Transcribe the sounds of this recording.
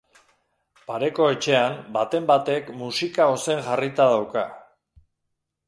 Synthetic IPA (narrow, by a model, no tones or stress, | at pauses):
paɾe̞ko̞e̞t͡ʃe̞ambat̪e̞mbat̪e̞kmusikao̞se̞ŋʝarit̪að̞awka